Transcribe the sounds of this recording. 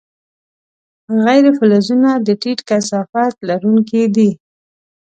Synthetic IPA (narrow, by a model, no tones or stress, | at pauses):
ɣajɾefʊlazunad̪əʈiʈkasɑfat̪laɾuŋkid̪i